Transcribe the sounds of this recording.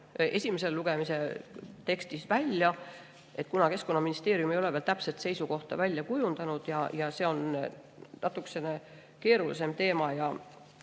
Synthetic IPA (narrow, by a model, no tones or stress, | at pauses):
e̞sʲimeselluɡ̥e̞miset̪e̞kst̪isvælʲjɑ | e̞t̪̚ːˑkunɑke̞skonːɑminist̪e̞ːɾjumejo̞le̞velt̪æpset̪se̞jsuko̞ht̪ɑ̰vælʲjɑkujund̪̥ɑnud̪̥jɑjɑse̞ːo̞n | nʔɑt̪ˑukse̞ne̞ | ke̞ːɾulḭs̬e̞mt̪e̞ːmɑjɑ